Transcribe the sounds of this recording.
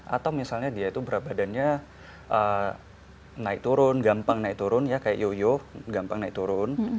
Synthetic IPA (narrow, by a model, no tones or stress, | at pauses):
ʔa̰t̪awmisalɲadiait̪ubəɾap̚badanɲa | ʔə | naɪk̚t̪uɾʊnɡampaŋnaik̚t̪uɾʊnjakaja̰ʔjojoɡampaŋnaɪk̚t̪uɾʊn